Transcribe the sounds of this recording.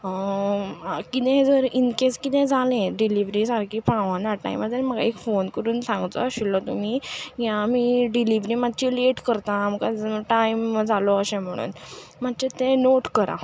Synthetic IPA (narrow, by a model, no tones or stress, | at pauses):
kit̪ɛ̃ɦed͡zəɾinkeskit̪ɛ̃d͡zʱalẽɖiliʋɾisaɾkʰiːpãʋãnaʈa̰imaaɾməɡa̰ekfonkəɾuːnsãŋɡt͡sɔ̰ːɕilːɔt̪um̤iɡjãmiːɖiliʋɾiːmad̪̚t͡ɕileʈkəɾt̪ãm̤əkaʈaimd͡zʱalɔəɕɛ̃m̤əɽ̃ṵːnmad̪t͡ɕet̪ẽnoʈkəɾa̰